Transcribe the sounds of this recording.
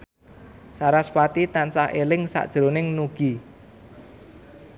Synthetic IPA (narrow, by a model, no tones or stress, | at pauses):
saɾaswat̪it̪ansahelɪŋsa̰ʔd̥ʒ̥ɾonɪŋnuɡ̥i